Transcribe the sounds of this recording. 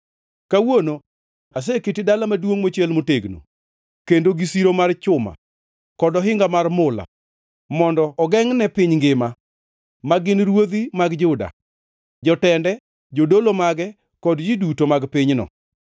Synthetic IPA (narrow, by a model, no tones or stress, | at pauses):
kawono | as̬ekitidalamadwoŋmot͡ʃelmoteɡno̰ | kendoɡisiɾomart͡ʃʊma̰ | kɔdɔɦɪŋɡamarmʊla̰ | mɔndɔːɡɛŋnɛpɪɲŋɡɪma | maɡɪnɾwod̪imaɡd͡ʒʊda̰ | d͡ʒɔtɛndɛ | d͡ʒodolomaɡɛ | kɔdd͡ʒidutomaɡpɪɲnɔ̰